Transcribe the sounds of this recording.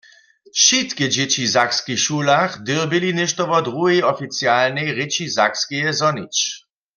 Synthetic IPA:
ʃit̪kɛd͡ʑɛt͡ɕizakskixʃuːlaχd̪ɪʁbɪlinɛʃt̪ɔʋɔd̪ʁuɦɛjɔfit͡sjalnɛjʁɪt͡ʃizakskɛjɛzɔnit͡ʃ

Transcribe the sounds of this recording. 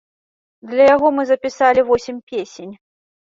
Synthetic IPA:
d̪lʲɐjaɣɔmɨzɐpʲisalʲivɔsʲimʲpʲesʲenʲ

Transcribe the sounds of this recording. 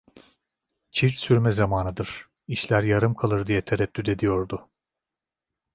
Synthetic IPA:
t͡ʃʰilʲt͡ʃsyɾmɛzamaːnɯd̪ɯɾ̥ | iʃlʲæɾjaɾɯmkʰalˠɯɾd̪ijɛt̪ʰeɾɛt̪ʰːyd̪e̞d̪ijo̞ɾd̪ʊ

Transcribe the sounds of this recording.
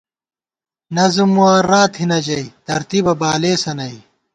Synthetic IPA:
nɐzumuɐɾaːt̪hinɐd͡ʑɐit̪ɐɾt̪ibɐbaːleːsɐnɐi

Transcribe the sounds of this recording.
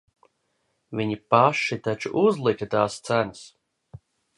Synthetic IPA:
viɲipaʃit̪at͡ʃṵʔuzlˠikʲɐt̪aːst̪sænɨs

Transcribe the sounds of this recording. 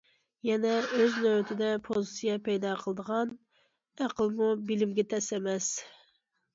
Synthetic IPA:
jɛnɛøznøwt̪ʰɪd̪ɛpʰozsijɛpɛjd̪ɑqʰəlˠəd̪əʁɑn | æqʰəlˠmubɪlɪmɡʲɛt̪ʰɛsɛmɛs

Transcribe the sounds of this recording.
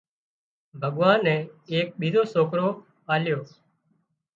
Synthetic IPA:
bʱəɠʋãːnːɛ̃ːeːk̚ɓiːzoːsoːkɾoː | aːljoː

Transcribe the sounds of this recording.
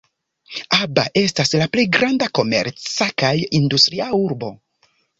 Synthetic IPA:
abaʔe̞staslaple̞jɡɾandako̞me̞̰ɾt͡sakajindustɾiauɾbo̞

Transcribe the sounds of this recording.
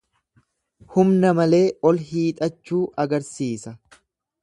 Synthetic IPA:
hʊmnɐmɐle̞ːʔɔlɦiːt̪ʼɐt͡ʃːuːʔɐɡɐɾsiːsɐ

